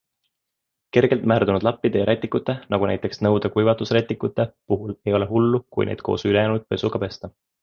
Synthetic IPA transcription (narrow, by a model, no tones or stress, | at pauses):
ke̞rɡ̥elt̪mæːrd̪unud̪̥lɑpːid̪̥e̞jɑɾæt̪ʲːˑikːˑut̪ːˑe̞nɑɡ̥unæ̰jt̪ːˑe̞ksnɤwd̪̥ekujvɑt̪ːusret̪ːˑikːˑut̪ːˑe̞puɦule̞jo̞leɦulːukṵjneːd̪̥̚ko̞̰ːsyle̞jæːnud̪̥̚pe̞suɡ̥ɑpe̞st̪ɑ